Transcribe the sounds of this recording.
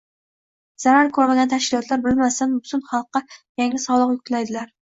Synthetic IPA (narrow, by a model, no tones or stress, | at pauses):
z̥aɾaɾkʰɵɾmaɡʲant̪ʰaʃkʲɪlˠɒt̪ʰlaɾbɪlmasanbʊt̪ʰʊnχɑlˠqːɑjaŋlɪsɒlˠɨqjʊk̚t̪ʰlajd̪ɪlaɾ